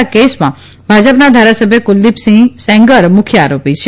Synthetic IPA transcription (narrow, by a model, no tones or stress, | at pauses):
kesmã̰ | bʱad͡ʒəpnad̪ʱaɾasəbʱjəkʊlːipsĩŋsɛ̃ŋɡəɾmʊkʰjəaɾopit͡ʃʰe